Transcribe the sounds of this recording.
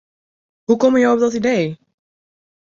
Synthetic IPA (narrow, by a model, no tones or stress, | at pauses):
ɦukɔməjowɔp̚dɔtidej